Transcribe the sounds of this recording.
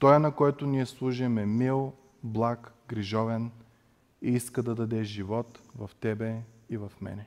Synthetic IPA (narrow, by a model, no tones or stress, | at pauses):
t̪ɔɛnɐkɔɛt̪ʊniɛslˠuʒɛmɛmilˠ | blˠakɡɾiʒɔvɛn | iiskəd̪ɐd̪ɐd̪ɛʒivɔt̪vɐft̪ɛbɛivɐfmɛ̰nɛ